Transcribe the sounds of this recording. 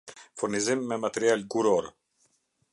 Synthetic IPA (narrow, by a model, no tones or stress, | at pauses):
fuɾnizimːɛmat̪ɛɾialɡuɾɔɾ